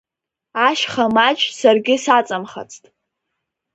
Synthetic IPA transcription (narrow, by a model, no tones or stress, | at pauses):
aʃχamat͡ʃʰʼsarɡʲɪsat͡sʼamχa̰t͡sʰʼtʼ